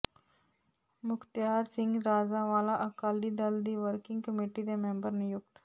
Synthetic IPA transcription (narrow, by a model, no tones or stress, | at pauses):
mʊkt̪jaːɾsɪ̃ŋɡɾaːzaːʋaːlaʔəkaːlid̪ɐld̪iːʋəɾkɪ̃ŋɡ̚kəmeːʈid̪emẽmbəɾnejʊɡt̪